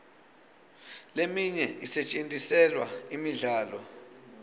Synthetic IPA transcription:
lemiɲɛisɛt͡ʃʼentʼisɛlwa̰imiɮaːlɔ

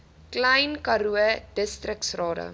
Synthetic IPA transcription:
klɐjnkɐɾuəd̥əstrəksrɑːdə̰

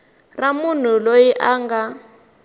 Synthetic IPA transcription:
ramun̤ulojiʔaːŋɡa

